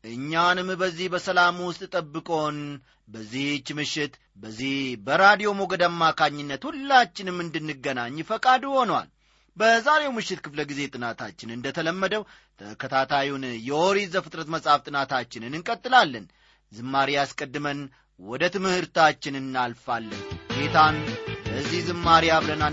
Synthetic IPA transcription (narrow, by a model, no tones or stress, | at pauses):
ʔɨɲːanɨmbəzːihbəsəlamwʊst̪ʼt̪ʼəbːɨkʼo̞n | bəzːiht͡ʃːmɨʃːɪt̪ | bəzːihbəɾad̪ijo̞mo̞ɡəd̪amːakʰaɲːɪnːət̪hulːat͡ʃːɪnmːɨnd̪ɨnːɨɡːənaɲːfəkʼad̪ho̞nwa̰l | bəzaɾe̞wmɨʃːɪt̪kʰɨfləɡize̞t̪ʼɨnat̪ʰat͡ʃːɪnɨnd̪ət̪ʰələmːəd̪əw | t̪ʰəkʰət̪ʰat̪ʰajunjɛoɾizəfɨt̪ʼɾət̪məsʼaft̪ʼɨnat̪ʰat͡ʃːɪnɨnɨŋkʼət̪ʼːɨlalːən | zɨmːaɾiaskʼəd̪ːɨmən | wɔd̪ət̪ʰɨmɨhɨɾt̪at͡ʃːɪnɨnːalfalːənɡet̪ʰanbəzːihzɨmːaɾijaβləna